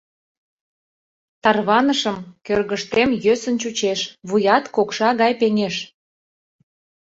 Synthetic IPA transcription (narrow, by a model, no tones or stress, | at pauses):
t̪ɑrβɑnəʃəmkørɣəʃt̪emjøsənt͡ɕut͡ɕeʃβujɑt̪kokʃɑɣɑjpenʲeʃ